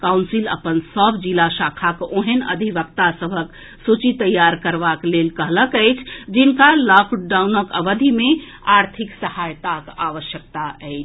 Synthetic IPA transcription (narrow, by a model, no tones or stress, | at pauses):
kawnsilə̰pənsəbʱd͡ʒilaʃakʰakoɦenə̰d̪ʱibəkt̪asəbʱək | sut͡ʃit̪əjːaɾkəɾbaklelkəɦləkəjt͡ʃʰd͡ʒinkalɔkɖaunəkə̰ʋəd̪ʱime | aɾt̪ʰiksəhajt̪akaʋəʃjək̚t̪aəɪt͡ʃʰ